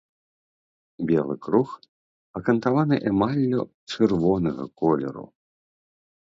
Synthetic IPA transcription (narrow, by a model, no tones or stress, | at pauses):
bʲɛlˠɨ̰kɾux | ɐkɐnt̪avanɨʔɛmalʲːɔ | t͡ʂɨrvɔnɐɣɐ̰kɔlʲɛ̰ɾṵ